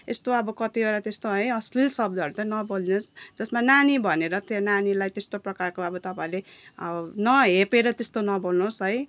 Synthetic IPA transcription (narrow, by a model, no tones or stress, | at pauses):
ḛst̪oʌbʌkʌt̪ibaɾat̪est̪oɦʌjʌslilsʌb̚d̪ʌɾut̪ʌnʌbolinusd͡zʌsmananibʱʌneɾʌt̪ʌnanilajt̪est̪oprʌkarkoʌbʌt̪ʌpaĩleʌnʌɦepeɾʌt̪est̪onʌbolnusɦʌj